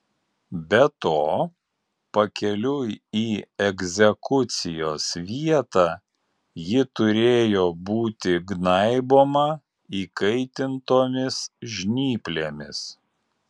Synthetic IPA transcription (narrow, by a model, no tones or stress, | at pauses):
bʲɛt̪oː | pɐkʲɛlʲʊiːɛɡʲzʲɛkʊt̪sʲɪjoːsʋʲiɛt̪ɑː | jɪt̪ʊɾʲeːjoːbuːt̪ʲɪɡnɐɪboːmɐ | iːkɐɪt̪ʲɪnt̪oːmʲɪsʒʲnʲiːpʲlʲeːmʲɪs